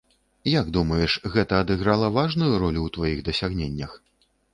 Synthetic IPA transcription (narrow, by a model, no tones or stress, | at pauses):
jaɡd̪umɐjɛʂɣɛt̪ɐːd̪ɨɣɾalˠɐvaʐnujuɾɔlʲuwt̪vajiɣd̪ɐsʲaɣnʲenʲːɐx